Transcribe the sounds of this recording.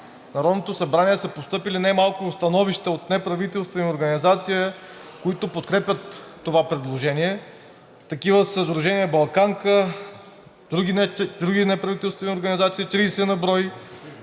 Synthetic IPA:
nɐɾɔd̪not̪osɐbɾaniɛsəpost̪ɤpilinajmalˠkʊst̪ɐnɔviʃt̪əot̪nɛpɾɐvit̪ɛlˠst̪vɛnioɾɡɐnizat̪sijə | koit̪opot̪kɾɛpʲət̪ːovapɾɛd̪lˠoʒɛniɛ | t̪ɐkivəsəzɾʊʒɛnijəbɐlˠkaŋkə | d̪ɾuɡid̪ɾuɡʲinɛpɾɐvit̪ɛlˠst̪vɛnioɾɡɐnizat̪siət̪ɾiːsɛnɐbɾɔj

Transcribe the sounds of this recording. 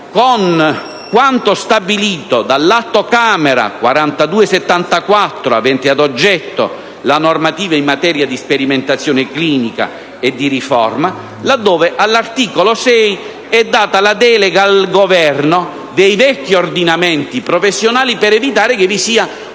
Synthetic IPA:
kon | kwant̪ost̪abiliːt̪od̪alːat̪ːokaːmɛɾa̰kwa̰ɾant̪ad̪uːeset̪ːant̪akwat̪ːɾoa̰vɛnt̪ɪad̪od͡ʒːɛt̪ːo̰ | lanormat̪iːvaimːat̪ɛːɾjad̪ispeɾiment̪at̪sːjɔːnekliːnika̰ | ed̪ːirifɔ̰rma | lad̪ːɔːveʔalːart̪iːkolosɛj | ɛd̪ːaːt̪alad̪ɛːleɡalɡovɛrno | d̪ɛjvɛkːiord̪inamɛnt̪ipɾɔfesːjonaːlipɛɾɛvit̪aːɾɪkevisiːa

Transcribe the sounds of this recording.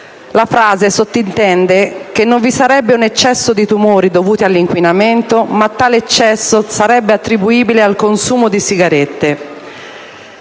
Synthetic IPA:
lafɾaːzesot̪ːint̪ɛnd̪ek̟enːoɱvisaɾɛbːeunet͡ʃːɛsːod̪it̪umoːɾid̪ovuːt̪ialːiŋkwinament̪omat̪ːaːlet͡ʃːɛsːosaɾɛbːeat̪ːɾibuiːbilealkonsuːmod̪isiɡaɾet̪ːe

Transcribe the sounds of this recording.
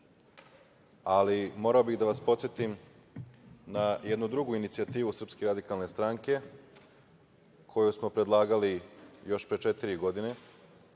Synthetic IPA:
alimo̞ɾaobiɣd̪aʋaspo̞t̪sjet̪im | naje̞d̪nud̪ɾuɡuinit̪siat̪iːʋusr̩pskeɾad̪ikalnest̪ɾaŋke̞ | kʰo̞jusmo̞pɾe̞d̪lˠaːɡalijo̞ʃpɾet͡ʃet̪iɾiɡo̞d̪ine̞

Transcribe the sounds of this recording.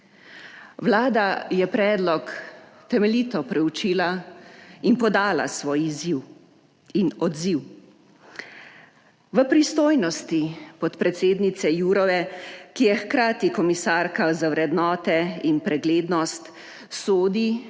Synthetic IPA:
ʋlaːd̪ajɛpɾɛːd̪lɔkt̪ɛmɛlit̪ɔpɾɛut͡ʃiːla | inpɔd̪aːla̰sʋoːjiziw | inɔd̪ziw | ʋəpɾist̪oːjnɔst̪ipɔt̪pɾɛt̪seːd̪nit̪sɛjuːɾɔʋɛkijɛxkɾaːt̪ikɔmisaɾkazawɾɛd̪nɔːt̪ɛinpɾɛɡleːd̪nɔst̪ | soːd̪i

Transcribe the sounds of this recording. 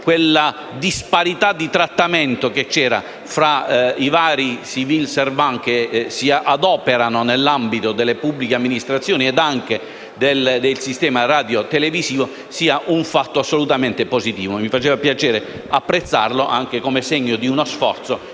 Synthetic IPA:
kwelːa | d̪ispaɾit̪ad̪ːit̪ɾat̪ːamɛnt̪oket͡ʃːɛːɾa̰ | fɾaivaːɾisivilsɛrvaŋkesiʔad̪ɔːpeɾanonelːambit̪od̪elːepubːlikeamːinist̪ɾat̪sːjoːniɛd̪aŋk̟e | d̪eld̪elsist̪ɛːmaraːd̪jot̪ɛlevisiːvo | siːaʔuɱfat̪ːoasːolut̪ament̪eposit̪iːvomifat͡ʃeːvapjat͡ʃɛːɾe | apːɾet̪sːa̰rloʔa̰ŋk̟ekomeseɲːod̪iunosfɔ̰rt̪so

